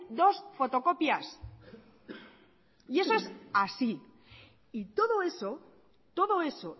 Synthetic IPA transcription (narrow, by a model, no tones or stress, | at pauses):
d̪o̞sfo̞t̪o̞ko̞pjas | ie̞so̞esasi | it̪o̞ðo̞e̞so | t̪o̞ðo̞e̞so̞